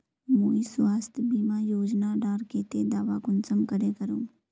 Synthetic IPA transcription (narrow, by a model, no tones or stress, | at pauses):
moːisʋaːst̪ʰbiːmãjoːd͡ʒnaɖaːɾkeːt̪ed̪aːʋakʊnsəmkəɾekəɾũː